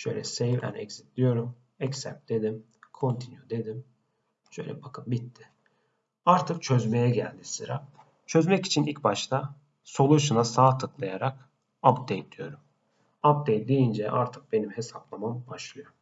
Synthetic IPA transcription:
ʃø̰jlʲɛ̰sejvæ̰nɛ̰csi̥t̪lʲijo̞ɾum | ɛcsɛ̰d̪e̞d̪im | kʰo̞nt̪ʰinjud̪e̞d̪im | ʃø̰jlʲɛbakʰɯmbit̪ːɪ̥ | aɾt̪ʰɯk̚t͡ʃʰø̞zme̞jɛɟælʲd̪isɯɾa̰ | t͡ʃʰø̞zmɛci̥t͡ʃʰinilʲcʲbaʃt̪ʰa | so̞lˠuʃɯnasaːt̪ʰɯklˠajaɾak | apd̪ejd̪̥ijo̞ɾum | ap̚d̪ejd̪ijind͡ʒɛʔa̰ɾt̪ʰɯk̚be̞nimhe̞saplˠamambaʃlˠɯjo̞ɾm

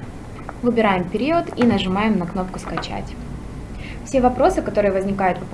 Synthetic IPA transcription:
vɨbʲɪɾajɪmpʲɪɾʲiot̪inəʐɨmajɪmnɐkno̞p̚kʊskɐt͡ɕa̰tʲ | fsʲe̞vɐpɾo̞sɨkɐt̪o̞ɾɨjəvəzʲnʲɪkajʊt̪pɐp

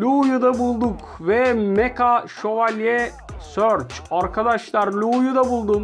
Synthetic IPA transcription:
lʲujud̪abulˠd̪uk | vɛmɛkʰaʃo̞valʲɛ | søɾt͡ʃaɾkʰad̪aʃlˠaɾlʲujud̪abulˠd̪un

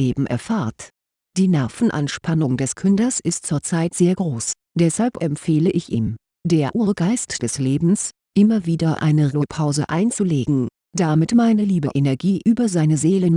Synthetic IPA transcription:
eːbm̩ʔɛ̰ɐfaːɐt | d̥iːnɛɐfn̩ʔa̰nʃpanʊŋdɛskʰʏndɐsɪst̚t͡suːɐt͡saɪtz̥eːɐɡʁoːs | d̥ɛshalpʔɛmpfeːləʔɪçʔiːm | d̥eːɐʔuːɐəɡaɪstd̥ɛsleːbm̩s | ʔɪmɐviːdɐʔa̰ɪnəʁɪpʰaʊzə̰ʔa̰ɪnt͡suleːɡŋ̩ | d̥amɪtmaɪnəliːbəʔenɛɐɡiːʔyːbɐzaɪnəzeːlən

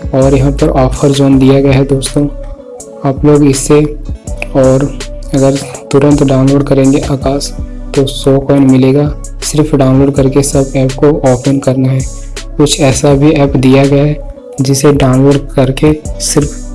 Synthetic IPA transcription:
ɔːɾjɐɦãpɐɾɔːpʰəɾd͡ʒɔːnd̪ijaɡɐjaɦɛd̪oːst̪õː | aːploːɡɪsːe | ɔːɾɐɡəɾt̪ʊɾə̃nt̪ɖaːʊnloːɖkɐɾẽːŋɡeʔaːkaːst̪osɔːkɔːɪnmɪleːɡa | sɪɾfɖaːʊ̃nloːɖ̚kɐɾkesɐbɛːpkoɔːpʰənkɐɾnaɦɛː | kʊt͡ʃʰɛːsabʱiɛːpd̪ijaɡɐjaɦɛ | d͡ʒɪseɖaːʊnloːɖkɐɾkesɪɾf

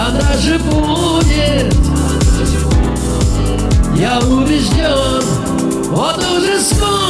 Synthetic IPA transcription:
ɐnaʐɨbu | dʲɪt̪ | jaʊbʲɪzdʲon | vɔt̪ʊʐɛsko

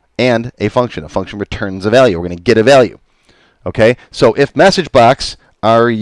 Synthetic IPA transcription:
ɨ̃nɨfʌ̃ŋkʃɨ̃nəfʌ̃ŋkʃɨ̃n̩ɹɨtʰɜ̃˞nzəvælˠjʉwɨɹɡʌ̃nɨɡɛɾɨvælˠjʉ̰ | oʊkʰeɪsoʊʔɪfmæsɨd͡ʒbɑks | ə˞

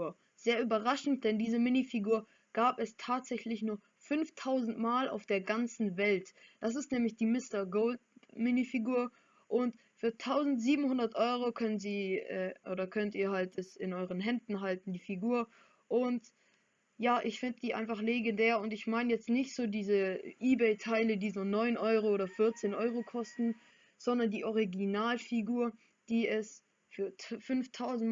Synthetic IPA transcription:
ɐ | z̥eːɐʔyːbɐʁaʃn̩t̚d̥ɛndiːzəmɪnifiɡuːɐ | ɡ̥aːpɛstʰaːtz̥ɛçlɪçnuːɐ | fʏnftʰaʊzn̩tmaːlʔa̰ʊfd̥eːɐɡant͡sn̩vɛltd̥as̬ɪstnɛːmlɪçd̥iːmɪstɐɡoʊlt̚mɪnifiɡuːɐ | ʔʊntfyːɐtʰaʊzn̩tz̥iːbm̩hʊndɐtʔɔʏʁ̞okʰœnənziːʔɛːʔoːdɐkʰœntiːɐhaltɛsɪnʔɔʏʁ̞ənɦɛndn̩ɦaltn̩diːfiɡuːɐ | ʔʊnt | jaːʔɪçfɪndəd̥iːʔa̰ɪnfaχleɡendɛːɐʊntɪçmaɪnəjɛt͡stnɪçtz̥oːdiːzəʔiːbɛɪtʰaɪlədiːzoːnɔʏnʔɔʏʁ̞ooːdɐfɪɐt͡seːnʔɔʏʁokʰɔstn̩ | z̥ɔndɐndiːʔɔʁ̞iɡinaːlfiɡuːɐ | d̥iːɛs | fyːɐfʏnftʰaʊzn̩

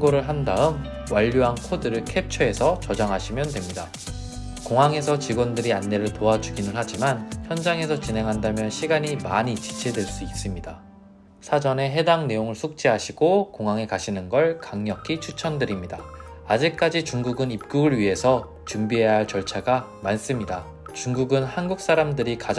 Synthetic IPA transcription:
ɡoɾɯɭɦandaɯm | waʎːoɦankʰodɯɾɯɭkʰe̞p̚t͡ɕʰʌe̞sʰʌt͡ɕʌd͡ʑaŋɦaɕʰimjʌntwe̞mɲida | koŋɦaŋe̞sʰʌt͡ɕiɡondɯɾianːe̞ɾɯɭtoad͡ʑuɡinɯɭhad͡ʑimançjʌnd͡ʑaŋe̞sʰʌt͡ɕine̞ŋɦandamjʌnɕʰiɡaɲimaɲit͡ɕi̥t͡ɕʰedwe̞ɭs͈uis͈ɯmɲida | sʰad͡ʑʌne̞ɦe̞daŋne̞joŋɯɭsʰok̚t͡ɕ͈iɦaɕʰiɡokoŋɦaŋe̞kaɕʰinɯnɡʌɭkaŋɲʌkʰit͡ɕʰut͡ɕʰʌndɯɾimɲidaːd͡ʑik̚k͈ad͡ʑit͡ɕuŋɡuɡɯnip̚k͈uɡɯɭɥiɦe̞sʰʌ | t͡ɕumbiɦe̞jaɦaɭt͡ɕʌɭt͡ɕʰaɡamans͈ɯmɲida | t͡ɕuŋɡuɡɯnhanɡuk̚s͈aɾamdɯɾika

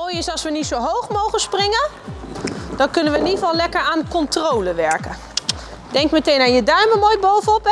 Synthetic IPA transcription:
moːjɪsɑlˠsʋənitsowɦowχmowχənsprɪŋə | d̥ɔnkɵnənʋənifɔlˠlɛkəɹaːnkɔntrowləʋɛɹkə | dɛŋkmətejnanjədœɹməmoːjbowvənɔp

